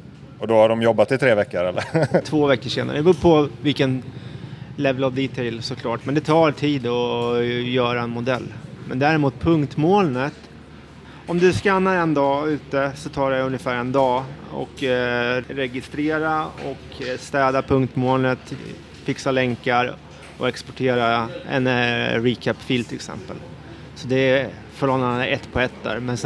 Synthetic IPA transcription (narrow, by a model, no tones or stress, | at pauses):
ɔd̪ɔhaɖɔmjɔbːat̪ɪt̪ʰɾeːvɛkːəɾɛlːə̰t̪ʰvoːvɛkːəʂeːna̰ɾəbɵːpʰɔvɪlkən | lɛvəlavd̪iːt̪ʰɛɪlsɔkʰlɑːʈmɛnd̪ɛt̪ʰɑːɾt̪ʰiːd̪ɔ | jœːɾaɛnmʊd̪ɛlːmɛnd̪æːɾɪmuːt̪̚pʰɵŋkt̪moːlnət̪ | ɔmd̪ɵskanːaɾɛnd̪ɑːʉ̟ːt̪əsɔt̪ʰɑːɖɛɵnjəfæːɾɛnd̪ɑːɔ̰k | ɾɛɡɪst̪ɾeːɾaɔk | st̪ɛːd̪apʰɵŋkt̪moːlnət̪ | fɪksalɛŋkaɾ | ɔ̰ɛkspɔ̥ʈʰeːɾaɛ̰nɾiːkʰæpːfiːlt̪ʰɪlɪksɛ̰mpə̰l | sɔd̪ɛ | fɔɭɔnanɛt̪ːpʰɔɛt̪ːd̪æ̰ɾmɛns